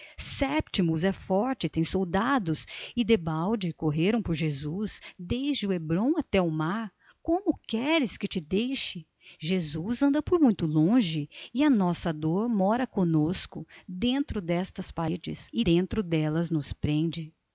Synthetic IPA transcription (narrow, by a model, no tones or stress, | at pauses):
sɛpt͡ʃimʊzɛfɔɾt͡ʃɪt̪ẽj̃sowd̪ad̪ʊsɪd̪ebawd͡ʒɪkoɦeɾɐ̃w̃pʊɾʒezusd̪ejzd͡ʒɪʊebɾõw̃at̪ɛʊmaɾ | kõmʊkɛɾɪskɪt͡ʃɪd̪ejʃɪ | ʒezuzɐ̃nd̪ɐpʊɾmũj̃t̪ʊlõʒɪɪɐnɔsɐd̪oɾmɔɾɐkõnoskʊd̪ẽnt̪ɾʊd̪ɛst̪ɐspaɾed͡ʒɪ̰sɪd̪ẽnt̪ɾʊd̪ɛlɐznʊspɾẽnd͡ʒɪ